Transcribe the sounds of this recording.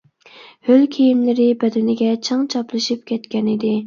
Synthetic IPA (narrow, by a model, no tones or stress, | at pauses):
hølkʲʰijimlɪɾɪbɛd̪ɛnɪɡʲɛt͡ʃʰɨŋt͡ʃʰɑplˠɨʃip̚kʲʰɛt̪kʲɛnɪd̪ɪ